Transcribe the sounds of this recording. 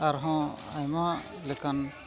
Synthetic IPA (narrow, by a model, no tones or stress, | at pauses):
aɾɦɔ̃ajma | lekan